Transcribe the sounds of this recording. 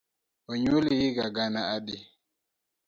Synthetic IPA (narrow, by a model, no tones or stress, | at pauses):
ɔɲulijiɡaɡanaadi